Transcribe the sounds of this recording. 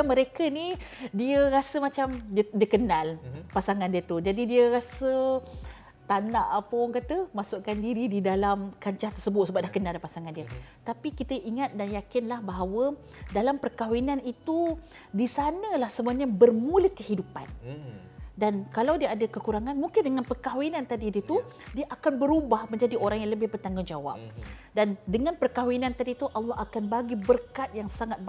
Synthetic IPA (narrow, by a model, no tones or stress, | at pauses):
mə̃ɾekənidiəɾasəmat͡ʃamdiəkənalpasaŋandiət̪ud͡ʒadidiəɾasə | t̪anaʔapəkat̪əmasuʔkandiɾididalamkaɲt͡ʃaht̪ərsəbʊt̪̚səbaʔ̪̚dlahkənaldapasaŋandiət̪apikit̪əʔiŋat̪̚danjakɪnlahbaɦawə | dalampərkawinanit̪u | disanə̃lahsəmuaɲabərmuləkəhidupan | dankalawdiəʔadəkəkuɾaŋanmuŋkɪndəŋanpərkawinãnt̪adidiət̪u | diaʔakanbəɾubahmə̃ɲd͡ʒadiʔoɾaŋjaləbɪhbərt̪aŋɡʊnd͡ʒawa̰p̚dandəŋanpərkawinãnt̪adit̪uʔalːɑɦakanbaɡibərkat̪̚jaŋsaŋat̪̚